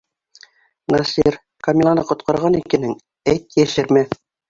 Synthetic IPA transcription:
nɑsiɾ | kɑmʲilˠɑnɤqŏt̪qɑɾʁɑnikɘ̆nɘŋ | æjt̪jæʃɘ̆ɾmæθ

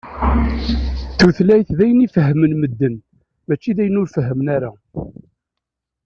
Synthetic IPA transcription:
θuθlæjθðæjənifəɦːəmənməd̪ːən | mæt͡ʃːiðæjənʊɾfəɦːəmnæɾa

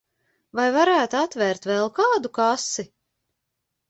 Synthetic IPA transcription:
vajvaɾæːt̪uat̪vɛɾt̪vɛlˠkaːd̪ukasi

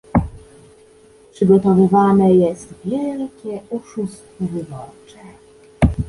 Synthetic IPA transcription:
pʂɘɡɔt̪ɔvɘvanɛjɛst̪vʲjɛlkʲɛuʂust̪fɔvɘbɔt͡ʂɛ

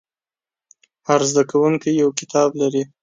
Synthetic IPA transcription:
haɾzd̪akʰawuŋkijawkɪ̥t̪ʰɑblaɾi

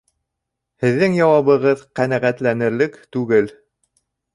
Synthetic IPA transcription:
hɘ̆ðːɘŋjɑwɑβɤ̆ʁɤðqænæʁæt̪lænɘ̆ɾlɘkt̪ʉɡɘl

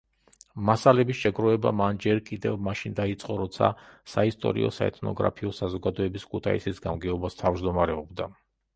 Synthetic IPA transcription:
masalɛbisʃɛɡɾɔɛba̰mand͡ʒɛɾkʼid̪ɛvmaʃind̪ait̪sʼqʼɔɾɔt̪sʰa̰saist̪ʼɔ̰ɾḭɔ̰sa̰ɛ̰t̪ʰnɔ̰ɡɾa̰pʰiɔsazɔɡad̪ɔɛbiskʰut̪ʰa̰ḭsisɡamɡɛɔbast̪ʰavd͡ʒd̪ɔmaɾɛɔbd̪a

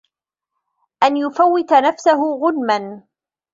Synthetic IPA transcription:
ʔanjʊfawːɪt̪anafsaɦʊɣʊnman

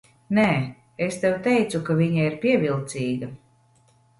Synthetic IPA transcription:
nɛː | est̪ɛwt̪ɛjt̪sukaviɲaiɾpʲiɛvilˠt̪siːɡɐ

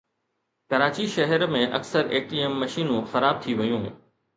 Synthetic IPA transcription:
kɐɾaːt͡ɕiʃɐɦəɾmẽʔɐ̰ksəɾeːʈiemːɐʃiːnũxɐɾaːb̚t̪ʰiʋɐjũːɦ

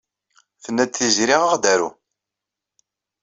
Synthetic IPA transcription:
θənːæd̪θizɾiʁəʁd̪æɾṵ

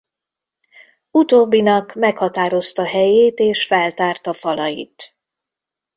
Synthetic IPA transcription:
ut̪oːbːinɒkmɛkhɒt̪aːɾo̞st̪ɒɦɛjeːt̪eːʃfɛlt̪aːrt̪ɒfɒlɒjḭt̪

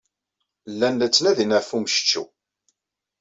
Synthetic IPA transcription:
lːænːæt͡sːlæðinæfumʃə̥t͡ʃːṵ

